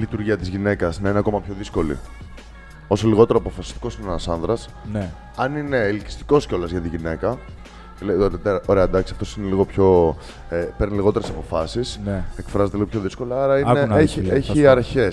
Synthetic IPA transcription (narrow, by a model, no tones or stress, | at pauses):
lit̪uɾʝiɐt̪izʝine̞kɐsnɐineɐko̞mɐpço̞ðisko̞lḭ | o̞so̞liɣo̞t̪e̞ɾoɐpo̞fɐsi̥st̪i̥ko̞sinenɐsɐnðɾɐs | n | ɐnine̞ilici̥st̪i̥ko̞sceo̞lɐzʝɐt̪iʝine̞kɐ | let̪eɐʔoɾe̞ɐd̪ɐksi̥ɐft̪o̞sine̞liɣo̞pço̞ | epeɾniliɣo̞t̪eɾesɐpo̞fɐsisnekfɾɐzet̪eliɣopʰçoðisko̞leɐɾɐineneieçiɐɾçe̞s